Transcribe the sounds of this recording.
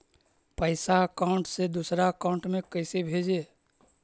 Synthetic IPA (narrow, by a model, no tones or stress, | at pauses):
pəɪsaəkaʊ̃ɳʈsed̪usɾaəkaʊ̃ɳʈmẽkəɪsebʱeːd͡ʒeː